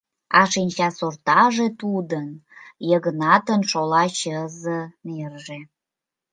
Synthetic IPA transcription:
ɑʃinʲt͡ɕɑsort̪ɑʒet̪ud̪ənjəɣənɑt̪ənʃolɑt͡ɕəzənerʒe

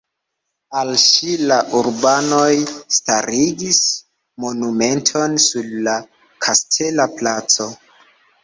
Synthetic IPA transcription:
alʃilaʔuɾbano̞jstaɾiɡis | mo̞nume̞ntʰo̞nsuɾla | kʰastʰe̞laplat͡so̞

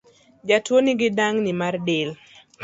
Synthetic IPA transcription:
d͡ʒatwoniɡɪdaŋnɪmardɪl

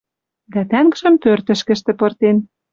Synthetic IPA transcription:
d̪æt̪æŋɡə̆ʒə̆mpørt̪ə̆ʃkə̆ʃt̪ɘ̆pɤ̆rt̪en

